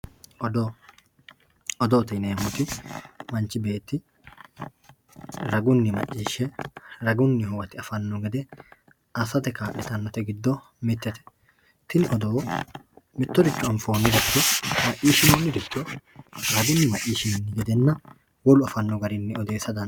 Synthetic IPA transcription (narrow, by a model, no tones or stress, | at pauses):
ɔd̪ | ɔd̪oːt̪ɪneːmʊt̪ɪmɐnt͡ʃɪbe̞ːt̪ːɪ | ɾɐɡʊnːɪmɐ̰ʔiːʃɛɾɐɡʊnːɪhʊwɐt̪ɪɐfɐnːɔɡɛd̪ɛ | ɐsɐt̪ɛkaːʔɪt̪ɐnːɔt̪ɛɡɪd̪ːɔ | mɪt̪ːɛt̪ɛ̥ | t̪ɪnɪʔɔd̪oː | mɪt̪ːɔd̪ɪt͡ʃːʊɐɱfoːnːɪd̪ɛt̪ːɔmɐʔiːʃɪnoːnːɪd̪ɪt̪ːoɾɐɡʊnːɪmɐʔiːʃɪnnːɪɡɛd̪ɛnːɐ | wɔlʊɐfɐnːɔɡɐɾɪnːɪɔd̪e̞ːsɐd̪ɐn